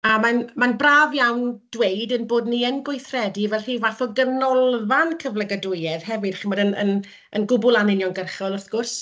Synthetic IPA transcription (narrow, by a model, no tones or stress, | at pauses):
amanmanbraːvjawnd̥wejdənboːdniənɡʊjθrɛdivɛliːvaθɔɡənɔlˠvankʰəvləɡədʊjɛð̥hɛvɨd̥χimɔdənə̰n | ənɡʊbʊlˠanɪnjɔnɡərχɔlˠɔθɡ̥ʊrs